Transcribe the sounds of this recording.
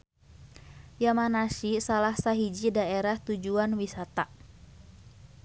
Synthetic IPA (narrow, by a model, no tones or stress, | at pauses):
jamanasisalahsaɦid͡ʒidaʔeɾaht̪ud͡ʒuanwisat̪a